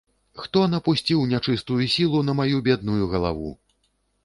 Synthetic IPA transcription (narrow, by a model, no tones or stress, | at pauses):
xt̪ɔnɐpusʲt͡sʲiwnʲat͡ʂɨst̪ujusʲilˠunɐmajubʲɛd̪̚nujuɣɐlˠa̰vṵ